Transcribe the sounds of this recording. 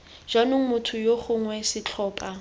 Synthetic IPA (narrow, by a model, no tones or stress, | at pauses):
ʒ̥anʊŋ̩mʊtʰʊjoχʊŋwɛsɪt͡ɬʰɔːpʼa